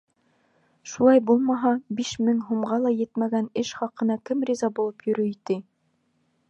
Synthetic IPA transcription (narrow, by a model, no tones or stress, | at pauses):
ʃulˠɑjbulˠmɑɦɑbiʃmɘŋɦumʁɑlˠɑjɘ̆t̪mæɡænɘʃχɑqɤ̆nɑkɘmrʲizɑbulˠɤpjɵ̆ɾɵit̪ɘ